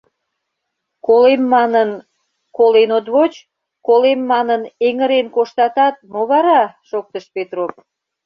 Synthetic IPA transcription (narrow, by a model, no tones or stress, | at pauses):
kolemːɑnən | kolenot̪βot͡ɕ | kolemːɑnəneŋəɾenkoʃt̪ɑt̪ɑt̪̚moβɑɾɑʃok̚t̪əʃpet̪rop